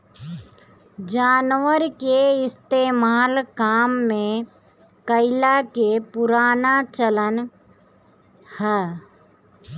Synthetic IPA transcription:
d͡ʒaːnwəɾkeɪst̪eːmaːlkaːmːẽ | kəɪlakepʊɾaːnat͡ʃələn | hɛː

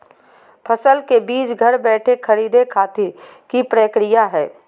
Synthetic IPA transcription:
pʰəsəlkebiːt͡ʃɡʱɐɾbɛːʈʰekʰəɾiːd̪ekʰaːt̪ɪɾ | kipɾəkɾɪjaɦɛː

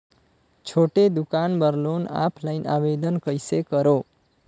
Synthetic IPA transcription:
t͡ʃʰoʈed̪ukanbʌɾlona̰pʰlajna̰bed̪ənkʌjsekʌɾo

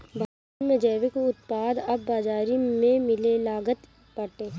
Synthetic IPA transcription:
bʱaː | nmẽd͡ʒɛːʋekeʊt̪paːd̪ɐbːaːd͡ʒaːɾimẽmɪlelaːɡət̪ | pɐʈeː

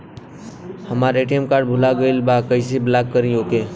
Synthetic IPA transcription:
hɐmaːɾeːʈijəmkaːɾɖ̚bʱʊlaɡəilbakəiseblaːkːəɾĩoːkeː

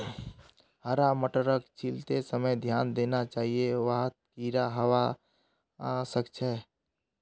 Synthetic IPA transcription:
ɦəɾaməʈəɾəkt͡ʃʰilt̪esəməjd̪ʱjaːnd̪eːnat͡ʃaːɦijeʋəɦət̪̚kiɾaɦəwa | səkt͡ʃʰɛ

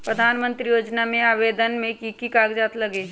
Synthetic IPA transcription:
pɾəd̪ʱaːnmə̃nt̪ɾijoːd͡ʒnamẽaːʋeːd̪ənmẽkikikaːɡd͡ʒaːt̪ləɡeː

